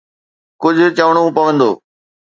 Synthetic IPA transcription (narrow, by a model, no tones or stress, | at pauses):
kʊd͡ʑʱʊ̆t͡ɕɐʋɽ̃ũpɐʋə̃nd̪o̰ː